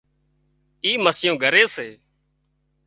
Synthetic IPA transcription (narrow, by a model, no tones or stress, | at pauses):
iːməsjõːɡʱəɾeːseː